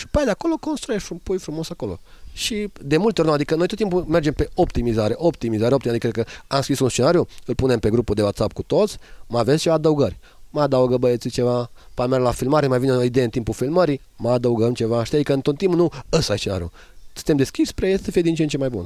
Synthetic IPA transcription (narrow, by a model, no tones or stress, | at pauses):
ʃi̥pajd̪eako̞lo̞ko̞nst̪ɾujeʃfɾupujfɾumo̞sako̞lo̞̰ | ʃid̪e̞mult̪eoɾnad̪ikənojt̪ot̪imp̬ume̞rd͡ʒe̞mpe̞o̞pt̪imizaɾe̞ʔo̞pt̪imizaɾeot̪imad̪ikɾekəamskɾisunst͡ʃe̞naɾjuɨlpune̞mpe̞ɡɾupud̪e̞wat̪sap̚kut̪o̞t̪sʲməavest͡ʃe̞vad̪əuɡərʲ | məad̪auɡəbəjət̪sit͡ʃe̞vapamerɡlafilmaɾemajvineoid̪ejeənt̪impufilməɾi | məad̪əuɡəmt͡ʃe̞vaʃt̪iad̪ikəɨnt̪ot̪t̪ːimpnuəsajst͡ʃena̰ɾju | sɨ̥t̪emd̪e̞skʲispɾeajessəfijed̪int͡ʃent͡ʃemajbṵn